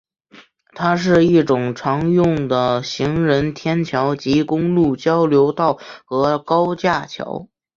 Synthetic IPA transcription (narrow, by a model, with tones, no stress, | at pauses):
t̪ʰa˥ʂ̬ɻ̩˥˧i˥˩ʈ͡ʂʊ˨˩ŋʈ͡ʂʰɑ˧˥ŋjʊ˥˩ŋd̪ə˩ɕi˧˥ŋɻə˧˥nt̪ʰjɛ˥nt͡ɕʰjɑ˧˥ʊt͡ɕi˧˥kʊ˥ŋlu˥˩t͡ɕjɑ˥ʊljo˧˥ʊt̪ɑ˥˩ʊxɤ˧˥kɑ˥ʊt͡ɕja˥˩t͡ɕʰjɑ̰˧˥ʊ